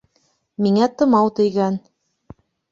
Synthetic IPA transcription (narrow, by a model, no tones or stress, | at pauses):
miŋæt̪ɤ̆mɑwt̪ɘ̆jɡæn